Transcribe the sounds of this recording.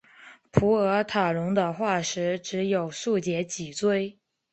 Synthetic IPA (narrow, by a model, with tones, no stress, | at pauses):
pʰu˧˥ɤ˧˥t̪ʰa˨˩ɻʊ˧˥ŋd̪ə˧xwa˥˩ʂɻ̩˧˥ʈ͡ʂɻ̩˧˥jo˨˩ʊʂu˥˩t͡ɕjɛ˧˥t͡ɕi˨˩t͡swe˥˩ɪ